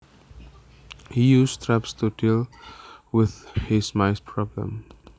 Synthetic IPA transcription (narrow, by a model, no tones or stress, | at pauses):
hijuːzt̪ʰɾæpstuʈɪl | wɪð̥hɪsmaɪspʰɹɔblə̰̃m